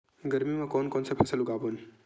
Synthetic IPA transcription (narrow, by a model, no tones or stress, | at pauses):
ɡəɾmimẽkɔːnkɔːnsepʰɛsəlʊɡaːbon